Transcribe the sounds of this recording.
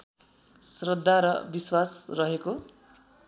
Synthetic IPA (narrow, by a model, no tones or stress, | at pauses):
srʌd̪ʱːaɾʌ̰biswasrʌɦeko